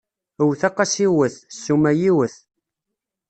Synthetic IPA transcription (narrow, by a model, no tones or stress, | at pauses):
əwθɑqːɑsiwəθsːumæjiwəθ